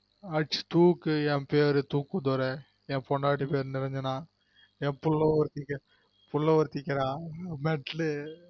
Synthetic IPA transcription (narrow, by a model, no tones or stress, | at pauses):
ɐʈt͡ʃt̪uːkːɯɛ̃peːɾɯt̪uːkːud̪ɔɾɛ | ɛ̃pɔɳɖaːʈːipeːɾnɪɾɛɲd͡ʒɐnãː | ɛ̃pʊlːɐɔɾt̪ikːɐ | pʊlːɐɔɾt̪ːɪkːɐɾãːmɛʈl